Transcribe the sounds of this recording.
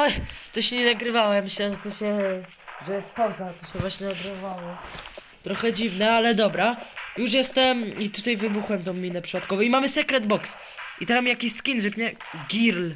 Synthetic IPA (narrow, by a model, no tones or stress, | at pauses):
ɔjt̪ɔɕɛɲɛnaɡɾɘvawɔjamɘɕlɛʐɛt̪ɔɕɛ | ʐɛjɛst̪pawzat̪ɔɕɛvwaɕɲɛnaɡɾɪvɔvawɔ | t̪ɾɔxɛd͡ʑivnɛalɛd̪ɔbɾajuʂ̬jɛst̪ɛmit̪ut̪ajvɘbuxwɛmt̪ɔ̃w̃mʲinɛpʂɨ̥pat̪kɔvɔ̃w̃imamɘsɛkɾɛd̪bɔks | it̪ɛmamʲijakʲiɕskʲinʐɛpɲɛ | ɡʲiɾl